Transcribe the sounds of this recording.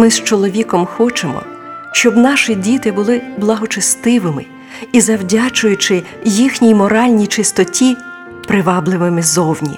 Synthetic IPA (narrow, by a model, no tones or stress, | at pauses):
mɪst͡ʃɔlˠɔʋʲikɔmxɔt͡ʃemɔ̰ | ʃt͡ʃɔbnɑʃidʲit̪ɪbʊlˠɪblˠɐɦɔt͡ʃɐst̪ɪʋɪmɪ | izɐwdʲat͡ʃʊjʊt͡ʃɪ | jixnʲijmɔɾɑlʲnʲijt͡ʃɪst̪ɔtʲi | pɾɪʋɑblˠɪʋɪmɪzɔwnʲḭ